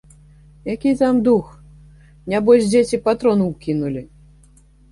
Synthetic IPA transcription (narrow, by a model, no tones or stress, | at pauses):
jakʲijt̪amd̪ux | nʲabɔʃd͡zʲet͡sʲipat̪ɾɔnuwkʲinulʲi